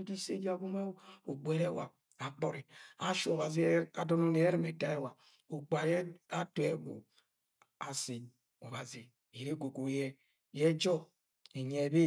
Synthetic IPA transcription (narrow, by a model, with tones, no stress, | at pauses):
di˦sḛ˦di˦a˨ɡu˦ma˦o˨ɡ͡bʷɛ˦ɾe˦wa̰˨ | a˨k͡pɔ˨ɾi˨a˨ʃu˦ɔ˨βa˨zi˨˦a˨dɔ˦no˦ne˨˦ɾi˦me˨ta˨e˦˨wa˨ | o˨k͡pa˨jɛ˦a˦tu˨ɛ˦bo̰˨ | a˨si˨ | ɔ˨βa˨zi˨ | e˨ɾe˦ɡo˨ɡo˨˦jɛ˦ | jɛ˦d͡ʒɔ˦ | e˨ɲɛ˨be˦